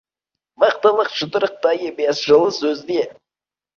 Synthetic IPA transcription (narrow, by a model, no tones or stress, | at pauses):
mɑqt̪əlˠəqʒ̥ət̪əɾəq̚t̪ɑjəbesʒəlˠəsɵzd̪e